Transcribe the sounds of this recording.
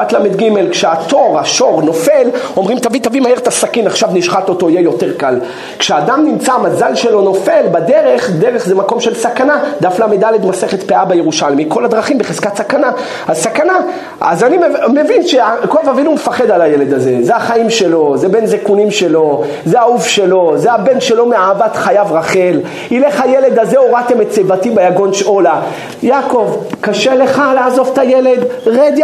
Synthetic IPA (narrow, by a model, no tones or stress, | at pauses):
at̪lamed̪ɡime̞lkʃeat̪o̞ʁaʃo̞ʁno̞fe̞lo̞mʁimt̪avit̪avimaheʁt̪asakinaχʃavniʃχato̞t̪o̞ijejo̞te̞ʁkal | kʃeaːdamnimt͡samazalʃe̞lo̞no̞fe̞lbad̪e̞ʁe̞χd̪eʁe̞χzemako̞mʃelsakanad̪aflamid̪aled̪maseχet̪peabejeʁuʃalmiko̞lad̪ʁaχimbeχez̥katsakana | asakana | a̰zanimemevinʃeakovavinumefaχe̞d̪alajele̞d̪aze̞zeaχaimʃe̞lo̞zebenzekunimʃe̞lo̞ | zeaufʃe̞lo̞zeabe̞nʃe̞lo̞meaːvatχajavʁaχe̞l | ile̞χajele̞d̪azeoʁat̪emett͡sevatibejaɡo̞nʃola | jako̞vkaʃe̞le̞χaleaːzo̞vt̪ajele̞d̪ʁed̪j